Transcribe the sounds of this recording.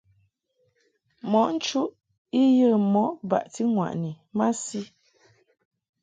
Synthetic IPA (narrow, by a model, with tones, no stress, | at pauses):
mɔ˨˦ʔn̩˦t͡ʃu˦ʔ | i˦jə˦˨mɔ˨˦ʔba̰˨ʔti˦ŋwa̰˨ʔni˨ | ma˦si˦